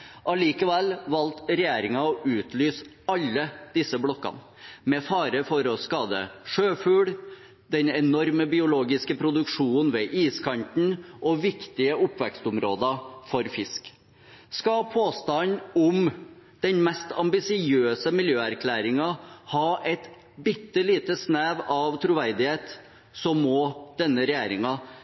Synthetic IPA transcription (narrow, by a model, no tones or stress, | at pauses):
ʔɑliːkəʋɛlʋɑlt̪ɾɛjeːɾɪŋɑɔʔʉːt̪lyːs | ɑlːəd̪̥ɪsːəblɔkːɑ̰n | mɛfɑːɾəfɔɾɔskɑːd̪ə̰ʂøːfʉːɽ | d̪ɛnɛnɔɾməbɪʊloːɡɪskəpʰɾʊd̪ʉkʂuːn̩ʋɛːʔiːskʰɑnt̪n̩ʔɔʋɪkt̪ɪəʔʊpːʋɛkst̪ʊmɾoːd̪ɑfɔɾfɪsk | skɑpʰoːst̪ɑnʊmd̪̥ɛnmɛst̪ɑmbɪsɪøːsəmɪljøːæɾkʰlæːɾɪŋɑhɑːʔɛt̪ | bɪt̪ːəliːt̪əsnæːʋɑʋt̪ʰɾuʋæɾd̪ɪheːt̪ | sɔmːɔd̪̥ɛnːəɾɛjeːɾɪŋɑ